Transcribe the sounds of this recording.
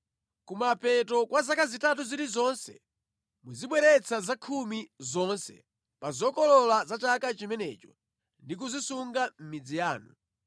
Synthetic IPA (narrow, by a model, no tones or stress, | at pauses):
kumapɛtɔkwazakazitat̬uziɾizɔnsɛ̰ | muziɓwɛɾɛt͡sʰazakʰumizɔnsɛ̰ | pazɔkɔlɔlazat͡ʃakat͡ʃimɛnɛ̰t͡ʃɔ̰ | ndik̬uzisuŋɡam̩mid͡zijaːnṵ